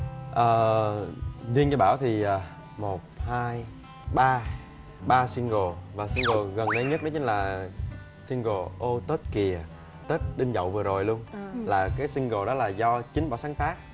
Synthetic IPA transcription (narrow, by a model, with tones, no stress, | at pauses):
ʔəː˨˩ | zi˧ənt͡ɕɔ˧ɓaː˧˩wt̪ʰi˨˩ʔəː˨˩ | mo˨˩t̚haː˧j | ɓaː˧ | ɓaː˧swi˧əŋɣo˨˩vaː˨˩swi˧ŋɣo˨˩ɣə˨˩nɗə˨˦jɲə˦˥t̚ɗɔ˨˦t͡ɕï̟˨˦laː˨˩ | si˧ŋɣo˨˩ʔo˧t̪ə˦˥t̚ki˨˩ə˩ | t̪ə˦˥t̚ɗï˧ŋ̟zə̰˧˨wvɨ˨˩əzo˨˩jlu˧ənlaː˨˩kaː˨˦jsï˧ŋɣo˨˩ɗɔ˨˦laː˨˩zɔ˧t͡ɕi˨˦ŋ̟ɓa̰ː˧˩wsaː˨˦ŋt̪aː˦˥k̚